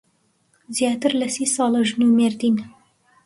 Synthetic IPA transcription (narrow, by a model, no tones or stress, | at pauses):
zjɑːt̪ɨɾlɐsiːsɑːlˠəʒnumeɾd̪iːn